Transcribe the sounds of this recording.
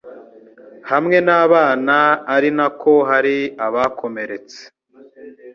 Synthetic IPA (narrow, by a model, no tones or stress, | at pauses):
hamŋe̞naːβaːnaːɾinako̞ɦaɾiaβakʰo̞me̞ɾe̞t͡se̥